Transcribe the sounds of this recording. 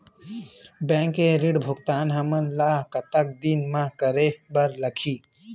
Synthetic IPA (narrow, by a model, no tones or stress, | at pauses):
bɛ̃ːŋkeɾiɽbʱʊkt̪aːnɦɐmənlaːkɐt̪ək̚d̪inmãkəɾebəɾləkʰiː